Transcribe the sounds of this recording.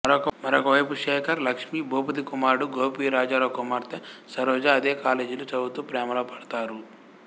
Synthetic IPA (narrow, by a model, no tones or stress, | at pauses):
mɐɾɔkɐmɐɾɔkɐʋɐjpuʂɛːkʰɐɾlɐkʂmiːboːpɐt̪ikumaːɾɽuɡoːpiːɾaːd͡ʒaːɾoːkumaːɾt̪esɐɾɔːd͡ʒaːd̪eːkaːleːd͡ʒulut͡ʃɐbut̪uːpɾɛːmɐlɐpɐɽɐt̪aːɾu